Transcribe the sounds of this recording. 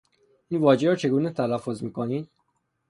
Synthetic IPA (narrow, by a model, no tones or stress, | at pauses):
ʔiːnvɒːd͡ʒeɾɒːt͡ʃʰe̞ɡuːnet̪ʰælæfːo̞zmiːkʰoniːd̪